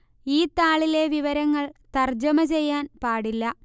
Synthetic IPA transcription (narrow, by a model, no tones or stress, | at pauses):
iːt̪aːɭile̞ʋiʋɐɾɐŋːɐɭt̪ɐrd͡ʑɐmɐt͡ɕe̞jːaːnpaːɽilːɐ